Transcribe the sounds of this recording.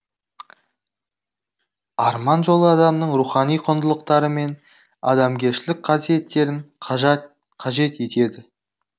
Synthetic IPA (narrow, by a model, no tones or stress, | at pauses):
ɑɾmɑnʒolˠəɑd̪ɑmnəɴɾuχɑnijqʰʊnd̪əlˠəq̚t̪ɑɾəme̞n | ɑ̰d̪ɑmɡʲe̞ɾʃɪlɪk̚qʰɑsije̞t̪ːe̞ɾɪɴ | qʰɑʒe̞t̪e̞t̪e̞d̪ɪ